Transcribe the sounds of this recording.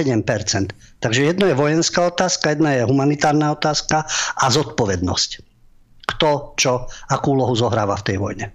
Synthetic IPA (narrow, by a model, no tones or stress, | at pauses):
ɛɟɛmpɛɾt͡sɛnt̪ː | aɡʒɛjɛd̪nɔjɛʋɔjɛnskaɔt̪aːskajɛd̪najɛɦumanit̪aːɾnaɔt̪aːskaʔazɔt̪pɔʋɛd̪nɔsc | kt̪ɔt͡ʃɔakuuːlɔɦuzɔɦɾa̰ːʋaft̪ɛjʋɔjɲɛ